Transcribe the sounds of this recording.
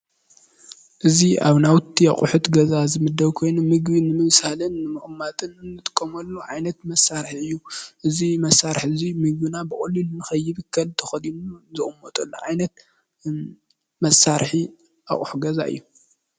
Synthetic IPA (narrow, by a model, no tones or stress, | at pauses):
ʔɨziʔa̰βnawt̪ʰːia̰χʼʊħut̪ɡɐzazɨmɨd̪ːɐβkʰo̞jnumɨɡbinɨmɨβsalɨnːɨmɨxʼmːat̪ʼɨnɨnːɨt̪ʼɨ̥kʼːɐmɐlːuʕajnɐt̪mɐsːaɾħiɨjːuʔɨzimɐsːaɾħɨzimɨɡ̚bɨnabɨkʼulːinɨnɨxɐjːɪβɨkʰːɐlt̪ʰɐxɐd̪inuzɨχʼʊmːot̪ʼɐlːuʕajnɐt̪̚ | mɐsːaɾħi | ʔa̰χʼuħuɡɐza̰ʔɨ̰jːu